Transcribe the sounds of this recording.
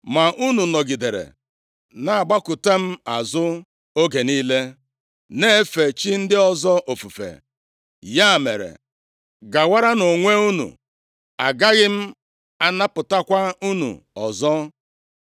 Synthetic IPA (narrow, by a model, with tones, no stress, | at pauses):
ma˨ʔu˦nu˨nɔ˨ɡɪ˨de˨ɾḛ˨ | na˨a˨ɡ͡ba˦kʊ˨te˦m̩˦a˨zʊ˦ | o˦ɡe˨niː˦le˦ | ne˦fe˨t͡ʃi˦n̩˦dɪ˦ɔ˦zɔ˦ʔo˨fu˨fḛ˨ | ja˦˨mḛ˨ɾḛ˨ | ɡa˨wa˦ɾa˦no˨ŋʷe˦u˦nṵ˨ | a˨ɡa˦ɣɪ˦m̩˦ | a˦na˦pʊ˨ta˦kʷa˦u˦nṵ˨ɔ˨zɔ˦